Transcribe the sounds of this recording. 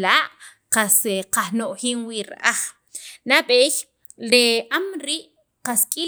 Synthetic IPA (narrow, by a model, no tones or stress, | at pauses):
laːʔ | qaseqahnoʔxiːŋwiɾ̰ʔaχ | naɓeːj | leʔamɾiːʔ | qaskʼi